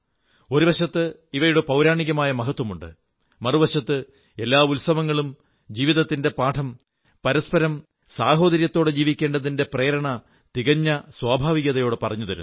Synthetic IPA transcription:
o̞ɾuʋɐɕɐt̪ːɨiʋɐjuɽepɐwɾaːɳiɣɐmaːjɐmɐɦɐt̪wɐmuɳɖɨ | mɐruʋɐɕɐt̪ːɨ | e̞lːaːulsɐʋɐŋːɐɭum | d͡ʑiːʋiðɐt̪ːinde̞paːʈʰɐm | pɐɾɐspɐɾɐm | saːɦo̞ːd̪ɐɾjɐt̪ːo̞ːɽed͡ʑiːʋikʲːe̞ːɳɖɐðinde̞preːɾɐɳɐ | t̪iɣɐɲːɐswaːbʱaːʋiɣɐðɐjo̞ːɽɨpɐrɐɲːuðɐɾṵ

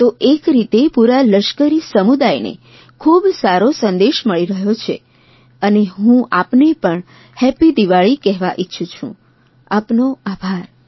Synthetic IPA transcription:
t̪oʔekɾit̪epuɾaləʃkəɾisəmud̪ajnḛ | kʰubsaɾosə̃nd̪eʃməɭiɾəɦjot͡ʃʰḛ | əneɦũʔapnepəɳ | hɛpid̪iʋaɭikɛɦʋaʔitːʃʰut͡ʃʰṵ̃ | apnoabʱaɾ

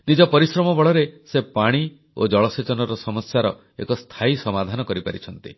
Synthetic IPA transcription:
nid͡ʒɔpɔɾisɾɔmɔbɔɭɔɾesepaɽ̃i | o̰d͡ʒɔɭɔset͡ʃɔnɔɾɔsɔmɔsjaɾɔ | ḛkɔst̪ʰajsɔmad̪ʱanɔkɔɾipaɾit͡ʃʰɔnt̪i

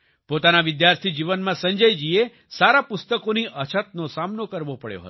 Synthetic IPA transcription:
pot̪anaʋɪd̪jaɾt̪ʰid͡ʒiʋənmãsəɲd͡ʒəjd͡ʒie | saɾapʊst̪əkoniʔət͡ʃʰət̪̚nosamnokəɾʋopəɽjo̰ɦə̰o

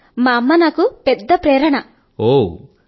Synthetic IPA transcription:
maːɐmːɐnaːkuped̪ːɐpɾeːɾɐɳɐ | oː

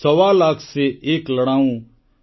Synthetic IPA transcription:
əʋalaːkʰseeːkləɽãːũ

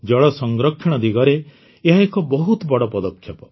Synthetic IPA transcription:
d͡ʒɔɭɔsɔŋɡɾɔkʰːɔɽ̃ɔd̪iɡɔɾe | eɦaekɔbɔɦut̪bɔɽɔpɔd̪ɔkʰːjɔpɔ

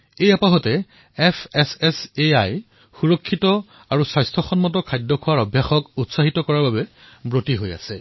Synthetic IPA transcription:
ejapaɦɔtɛ | ɛpʰɛsɛseaj | xuɹɔkʰːitɔ | aɹusajstʰɔxɔnmɔtɔkʰajdːɔkʰʊwaɹɔbʱjaxɔkutsaɦitɔkɔɹaɹbabɛ | bɹotiɦoja̰sɛ

